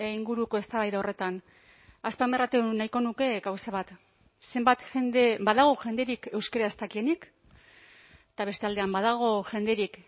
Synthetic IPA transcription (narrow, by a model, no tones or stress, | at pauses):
iŋɡuɾuko̞e̞st̪aβajðao̞re̞t̪an | aspame̞rat̪enajko̞nuke̞ɡawsaβat̪ | se̞mbat̪xend̪ebaðaɣ̞oʝe̞nd̪e̞ɾike̞wskaɾaest̪akie̞nik | t̪aβe̞st̪e̞ald̪e̞ambaðaɣ̞o̞ʝe̞nd̪e̞ɾik